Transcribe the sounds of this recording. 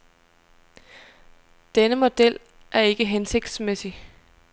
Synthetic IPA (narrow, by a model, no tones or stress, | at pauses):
d̥enəmo̝d̥el̰ | ʔæɐe̝ɡ̥əɦense̝ɡ̥d̥smesi